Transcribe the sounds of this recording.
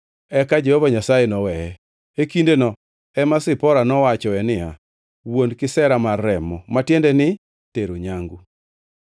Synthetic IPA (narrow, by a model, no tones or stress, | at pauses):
ɛkad͡ʒehovaɲasajɛnɔwɛɛ | ekindenɔ | ɛmasɪpɔɾanɔwat͡ʃɔɛnɪa | wondkɪsɛɾamarːɛmɔmatjendenɪ | teɾoɲaŋɡu